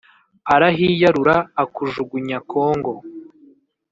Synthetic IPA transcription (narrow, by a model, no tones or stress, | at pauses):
aɾaɦijaɾuɾaːkuʒuɡuɲakoːŋɡo